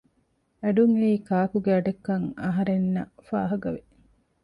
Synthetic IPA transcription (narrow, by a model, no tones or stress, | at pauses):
æɖuŋeiːkaːkuɡeɐɖɐkːɐŋɐɦɐɾenːɐ̰fa̰ːɦɐɡɐʋe